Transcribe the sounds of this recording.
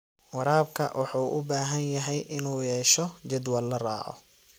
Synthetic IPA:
wɑɾaːbkʰɐ̰wʔɑħuːʔʊbaːɦɐnjɐɦɛjʔɪnuːjɛːʃɔt͡ʃɐd̪wɐlːɐra̰ːʕɔ̰

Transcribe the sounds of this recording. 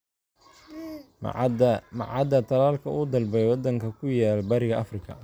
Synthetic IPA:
mɐʕɑd̪ɐt̪ʰɐlaːlkʰɐʔuːd̪ɐlbɛjwɑd̪ɐŋkʰɐkʰʊjaːlbɐɾɪɣɐʔɐfrɪkʰɐ̰

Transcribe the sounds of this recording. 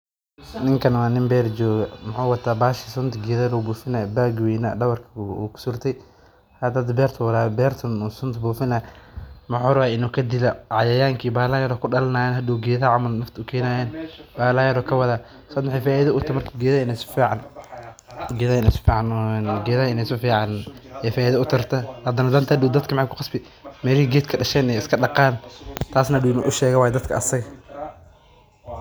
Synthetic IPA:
nɪŋkʰɐnwaːnɪmbɛːɾd͡ʒɔːɣɐmʊħʊːwɐt̪ʰaːbaːʃisʊnt̪ɡɛːðɐɾuːbuːfɪnajbaːɡwɛːnɐ̰ɖɐwɐrkʰɐ̰ːkʰʊ̥sʊrt̪ʰɛj | hɐd̪ɐd̪bɛːrt̪ʰwɐɾaːbɛːrt̪ʰɔnɔsʊnt̪ʰbuːfɪnajmʊħʊːɾwaːɪnuːkʰɐd̪ɪlɐʕɑjɐjaːŋkʰiːbaːlaːjɐɾɔːkʰʊɖɐlɐnaːjɛːnɦɐd̪uːɡɛːðaʕɑmɐlnɐft̪ʰʊkʰɛːnaːjɛːnbaːlajɐɾɔːkʰɐwɐðaː | sɐːd̪mħɛːfaːʔɪðɐʊt̪ʰɐmɐrkʰɐɡɛːðɐɪnɛsʊ̥fiːʕɑn | ɡɛːðɪnɛsʊ̥fiːʕɑnnɡɛːðɐɪnɛsʊfiːʕɑnɛːfaːiðɐʊt̪ʰɐrt̪ʰɐhɐd̪ɐnɐd̪ɐnt̪ʰɐdʊwd̪ɐd̪kʰɐmħakʰʊ̥qɑsbɪ | mɛːlhiɡɛːt̪kʰɐɖɐʃɛːnɛɪskʰɐɗɑqɑːnt̪ʰaːsnɐdʊwɪnṵʔʊʃɛːɣɐwaːjɛd̪ɐd̪kʰɐɐsɐɣɐ

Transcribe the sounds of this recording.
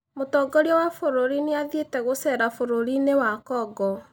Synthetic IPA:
motɔːɡɔɾiɔwafoɾoɾineaðietɛɣosɛɾafoɾoɾinewakɔːɡɔ

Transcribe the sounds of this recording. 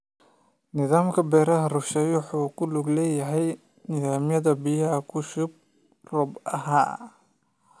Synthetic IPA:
nɪðaːmkʰɐbɛːɾɐɦɐrʊʃɛjwʊħuːkʰʊlʊɡlɛːjɐɦɛj | nɪðaːmjɐðɐbɪjɐɦɐkʰʊʃʊb̚ | rɔbɐɦaː

